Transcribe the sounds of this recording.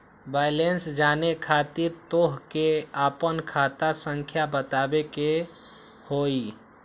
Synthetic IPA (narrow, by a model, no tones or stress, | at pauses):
baːɪlensd͡ʒaːnekʰat̪iɾt̪oɦkeapənkʰaːt̪asə̃ŋkʰjabət̪aːbeke | hoːi